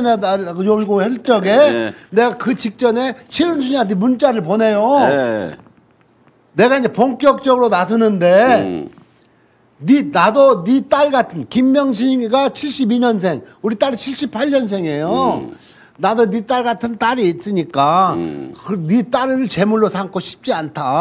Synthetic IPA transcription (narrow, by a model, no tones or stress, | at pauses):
neajoiɡoçjʌɭt͡ɕ͈ʌɡe̞ne̞ɡakɯt͡ɕik̚t͡ɕ͈ʌne̞t͡ɕʰiɾunsʰuɲanimunt͡ɕ͈aɾɯɭp̬one̞jo | ne̞ɡaind͡ʑepoŋk͈jʌk̚t͡ɕ͈ʌɡɯɾonas̬ʰɯnɯnde̞ | ninadonit͈aɭɡatʰɯnkimːjʌŋɕ̬ʰiɡat͡ɕʰiɭɕ͈ibiɲʌns̬ʰe̞ŋuɾit͈aɾit͡ɕʰiɭɕ͈ipʰaɭɲʌns̬ʰe̞ŋe̞jo | nadonit͈aɭɡatʰɯnt͈aɾiːt̚s͈ɯɲik͈a | kɯnit͈aɾɯɾɯɭt͡ɕe̞muɭːosʰaŋkʰoɕʰi̥p̚t͡ɕ͈iantʰa